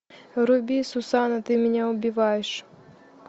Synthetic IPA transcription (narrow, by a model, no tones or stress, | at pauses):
ɾʊbʲisʊsɑnɐt̪ɪmʲinʲaɔbʲiʋɑjeʃ